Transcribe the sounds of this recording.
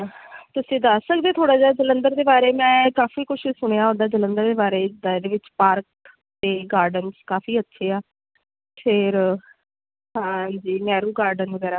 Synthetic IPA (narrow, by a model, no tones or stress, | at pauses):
t̪ʊsĩːd̪əsːəkd̪eːt̪ʰoːɽaːd͡ʒaːd͡ʒələnd̪əɾd̪eːbaːɾeːmɛ̃ːkaːfiːkʊʃʰiːsʊɽ̃ejaːɦõnd̪aːd͡ʒələ̃nd̪əɾd̪eːbaːɾeːd̪ad̪eːʋɪt͡ʃpaːɾk̚ | t̪eːɡaːɾɖənskaːfiːətːʃʰeːaː | pʰɪɾ | ɦãːd͡ʒiːnɛːɾuːɡaːɾɖənʋəɡɛːɾaː